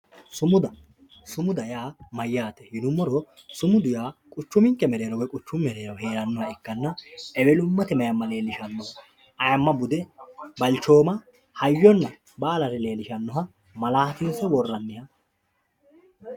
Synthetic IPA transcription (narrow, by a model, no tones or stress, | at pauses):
sʊmʊd̪ɐ | sʊmʊd̪ɐjaːmɐjːaːt̪ɛhɪnʊmːɔɾɔ | sʊmʊd̪ʊjaːkʼʊt͡ʃːʊmɪŋkːɛmɛɾeːɾɔwɛkʼʊt͡ʃːʊmːɛɾeːɾɐwhe̞ːɾɐnːɔhɐɪkːɐnːɐɛbɛlʊmːɐt̪ɛmɐjɐmːɐle̞ːlɪʃɐnːɔ | ʔɐjɐmːɐbʊd̪ɛbɐlt͡ʃːo̞ːmɐ | hɐjːɔnːɐ | baːlɐɾɛle̞ːlɪʃɐnːɔɦɐ | mɐlaːt̪ɪnsɔwɔrːɐnːɪhɐ